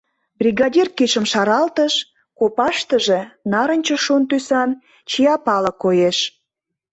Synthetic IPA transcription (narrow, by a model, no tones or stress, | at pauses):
brʲiɣɑdʲirkiʃəmʃɑɾɑlt̪əʃ | kopɑʃt̪əʒenɑɾənʲt͡ɕə̆ʃont̪ysɑn | t͡ɕiɑpɑlə̆kojeʃ